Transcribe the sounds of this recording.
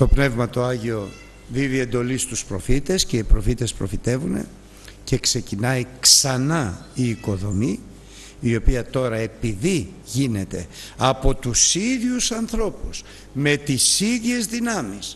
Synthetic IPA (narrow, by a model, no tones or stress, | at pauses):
t̪o̞pne̞vmɐt̪o̞ɐʝio̞ | ðiðie̞nd̪o̞list̪uspɾo̞fit̪e̞sce̞ipɾo̞fit̪e̞spɾo̞̰fit̪e̞vune̞̰ | ce̞kse̞cinɐiksɐnɐ | iːko̞ðo̞mi | io̞piɐt̪o̞ɾɐe̞piði | ʝine̞t̪e̞ɐpo̞t̪usiðʝusɐnθɾo̞pus | me̞t̪isiðʝe̞zðinɐmis